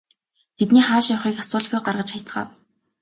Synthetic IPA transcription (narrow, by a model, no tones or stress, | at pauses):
t̪ʰet̪niːχaːʃjawχiːkasʊːɮ̆xujɢarʁə̆t͡ɕχajʰt͡sχa̰ːw